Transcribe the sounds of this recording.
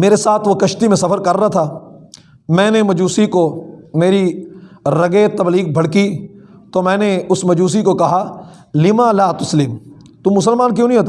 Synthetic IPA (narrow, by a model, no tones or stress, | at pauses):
meːɾesaːt̪ʰʋokɐʃt̪imẽsɐfəɾkɐɾːaat̪ʰaː | mɛ̃ːnemɐd͡ʒuːsikomeːɾi | ɾɐɡet̪ɐbliːɡ̚bʱɐɽki | t̪omɛ̃ːneʊsmɐd͡ʒuːs̬ikokɐɦa | lɪmãːlaːt̪ʊslɪm | t̪ʊmːʊsəlmaːnk̬jõːnɐĩɦoːt̪a